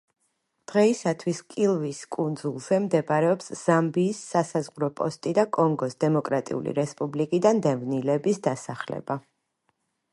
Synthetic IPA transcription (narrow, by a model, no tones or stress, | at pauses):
d̪̥ʁɛisat̪ʰwiskʼilˠviskʼund̪zulˠz̥ɛmd̪ɛbaɾɛɔpsz̥ambiːsːasazʁɾɔpʼɔ̰st̪ʼid̪akʼɔŋɡɔsd̪ɛmɔkʼɾat̪ʼḭṵlḭɾɛspʼublikʼid̪and̪ɛvnilɛbisd̪asaχlɛ̰ba